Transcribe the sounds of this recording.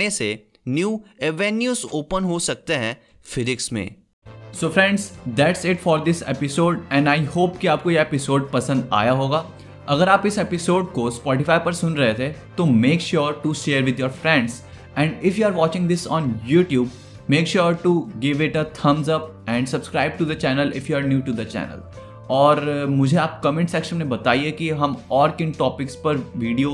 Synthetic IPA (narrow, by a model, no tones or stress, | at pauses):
ese | njuːeʋɛnjuːzoːpə̃nɦosɐk̚t̪eɦɛ̃ | fɪɾɪksmḛ̃ː | soːfɾɛ̃ɳɖzd̪æʈsɪʈfɔːɾd̪ɪsḛpɪsoːɖɛ̃ɳɖaːɪhoːpkiaːp̚kojeepɪsoːɖ̚pɐsə̃nd̪a̰ːjaɦoːɡaː | ɐɡəɾaːpɪsepɪsoːɖkospɔːʈifaːɪpɐɾsʊ̃nɾɐɦet̪ʰet̪omeːkʃuːɾʈuʃeːɾʋɪd̪ʱjoːɾfɾɛ̃ɳɖz | ɛ̃ɳɖɪfjuaːɾʋɔːt͡ʃɪ̃ŋd̪ɪsɔ̃ːnjuːʈjuːb̚ | meːkʃuːɾʈuɡɪʋɪʈɐt̪ʰɐ̃mzɐp̚ | ɛ̃ːɳɖsɐb̥skɾaːɪb̚ʈud̪ɐt͡ʃɛːnəlɪ̰fjuːaɾnjuːʈud̪ɐt͡ʃɛ̰ːnə̰l | ɔːɾmʊd͡ʒʱeaːp̚kɐmẽɳʈsɛkʃə̃nmẽbɐt̪aːiekiɦɐ̃mɔːɾkɪ̃nʈɔːpɪkspɐɾʋiːɖio